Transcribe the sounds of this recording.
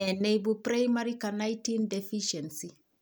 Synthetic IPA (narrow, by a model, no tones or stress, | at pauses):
ɛnejbupɾajmaɾikanajtindefiʃɛnsi